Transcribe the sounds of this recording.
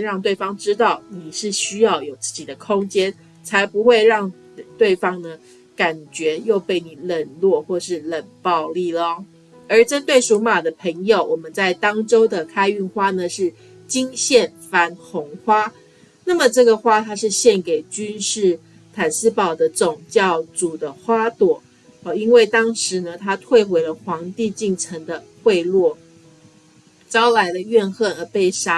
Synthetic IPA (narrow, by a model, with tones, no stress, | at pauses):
ɻɑ˥˧ŋt̪we˥˩ɪfɑ˥ŋʈ͡ʂɻ̩˥t̪ɑ˥˩ʊni˨˩ʂɻ̩˥˩ɕy˥jɑ˥˩ʊjo˨˩ʊt͡sɹ̩˥˩t͡ɕi˨˩d̪ə˦kʰʊ˥ŋt͡ɕjɛ˥n | t͡sʰa˧˥ɪpu˧˥xwe˥˧ɪɻɑ˥˧ŋ | t̪we˥˩ɪfɑ˥ŋnə˨ | ka˨˩nt͡ɕɥɛ˧˥˦jo˥˧ʊpe˥˩ɪni˨˩lə˥˩nlwɔ˥˧xwɔ˥˩ʂɻ̩˥˧lə˨˩npɑ˥˧ʊli˥˩lə˩˦ | ə˞˨˧˥ʈ͡ʂə˥nt̪we˥˩ɪʂu˧˥ma˨˩d̪ə˦pʰə˧˥ŋjo˨ʊwɔ˨˩mə˦nt͡sa˥˩ɪt̪ɑ˥ŋʈ͡ʂo˥ʊd̪ə˨kʰa˥ɪy˥˩nxwa˥nə˨ʂɻ̩˥˩ | t͡ɕi˥ŋɕjɛ˥˩nfa˧˥nxʊ˧˥ŋxwa˥ | na˥˩mə˨˩ʈ͡ʂɤ˥˩ɡə˩xwa˥˧t̪ʰa˥ʂɻ̩˥˧ɕjɛ˥˩nke˨˩ɪt͡ɕy˥nʂɻ̩˥˩ | t̪ʰa˨˩nsɹ̩˥pɑ˨˩ʊd̪ə˦t͡sʊ˨˩ŋt͡ɕjɑ˥˩ʊt͡su˨˩d̪ə˦xwa˥t̪wɔ˨˩˦ | i˥nwe˥˩ɪt̪ɑ˥ŋʂɻ̩˧˥˦nə˧t̪ʰa˥t̪ʰwe˥˩ɪxwe˧˥ɪlə˧xwɑ˧˥ŋt̪i˥˧t͡ɕi˥˩ŋʈ͡ʂʰə˧˥ŋd̪ə˧xwe˥˧ɪlwɔ˥˩ | t͡sɑ˥ʊla˧˥ɪlə˧ɥɛ˥˧nxə˥˩nə˧pe˥˩ɪʂa˥